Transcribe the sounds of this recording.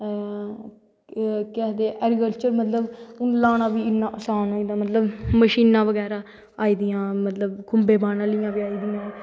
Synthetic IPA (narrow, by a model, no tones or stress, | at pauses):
kɛːɦd̪eːʔɛːɾɪkəlt͡ʃəɾmət̪ləbʊnlaːnãːʋiːɪnːãːsaːnoːiːd̪aːmət̪ləbməʃiːnãːʋəɡɛːɾaː | aːiːd̪ɪjãːmət̪ləbkʰʊmbeːbaːnaːlɪjãːʋiːaːiːd̪ɪjãː